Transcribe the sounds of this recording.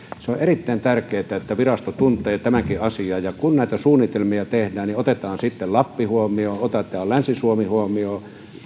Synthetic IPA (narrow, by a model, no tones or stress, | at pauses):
seoʔʔerit̪ːæˑint̪ærkˑeːt̪æet̪ːæʋirɑst̪ot̪unt̪ˑeːt̪æmæŋkiɑsiɑːjɑkunnæˑit̪æsuːnːit̪elmiɑt̪ehdæːnniot̪et̪ɑːnsit̪ːellɑpːihuomioːot̪et̪ˑɑːllænsisuomihuomioː